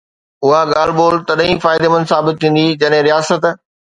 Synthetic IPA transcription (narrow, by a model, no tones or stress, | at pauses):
ʊɦaɠaːlboːlt̪ɐɗĩfaːɪd̪eːmɐ̃nsaːbɪt̪ʰːĩːn̆d̪id͡ʑɐɗɦẽɾijaːsət̪